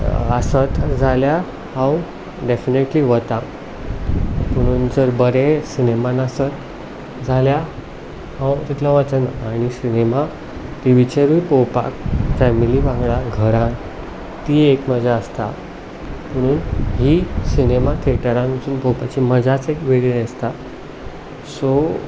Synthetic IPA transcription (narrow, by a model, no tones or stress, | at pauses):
əsət̪d͡zʱalja | hãw | ɖefineʈliʋət̪a | pəɽ̃uːnd͡zəɾbəɾesinemãnəsət̪ | d͡zʱalja | hãwt̪it̪ʰlaʋət͡sənaɽ̃isinema | t̪iʋit͡ɕeɾipowpa̰kfɛmiliʋãŋɡɭaɡʱəɾãn | t̪iːekməd͡zʱaəst̪a̰ | pəɽ̃uːnɦiːsinemat̪ʰeʈəɾãnit͡suːnpowpat͡ɕiːməd͡zʱat͡sekʋeɽiest̪a | so